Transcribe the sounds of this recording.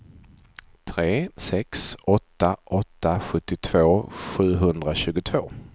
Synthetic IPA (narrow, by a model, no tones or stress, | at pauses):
t̪ʰɾeːsɛksɔt̪ːaʔɔt̪ːaɧɵt̪ːɪt̪ʰv̥oːɧʉ̟ːɦɵnd̪ɾaɕʉ̟ːɡʊt̪ʰv̥oː